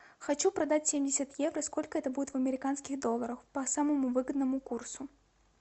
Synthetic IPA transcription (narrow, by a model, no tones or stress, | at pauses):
xat͡ʃupɾad̪at͡sʲsʲemʲdʲɪsʲət̪jɛvɾɐskɔlʲkəɛt̪əbud͡zʲɪt̪vɐmʲɪɾʲɪkanskʲiɣd̪ɔlˠɐɾɐxpɐsamɐmuvɨɡəd̪nɐmukursu